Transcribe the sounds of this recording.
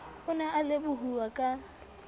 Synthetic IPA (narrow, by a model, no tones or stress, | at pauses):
ʊnaʔalɪbʊɦuwakʼa